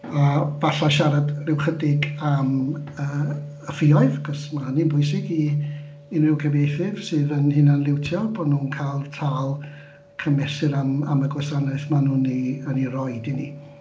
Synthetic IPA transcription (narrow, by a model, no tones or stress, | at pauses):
avaɬaʃaɾadrɪwχədɪɡaməː | fɪɔɨðkɔsmanɨnbʊɨs̬ɪɡiː | nrɪwkʰəvejθɪv̥sɨːðənhɪnanlˠɪwtʰjɔbɔdnuːnkʰajlˠtʰaːlˠ | kʰəmɛsɨɾamaməɡlwɛsanɛθmanuːniənirɔjdinḭ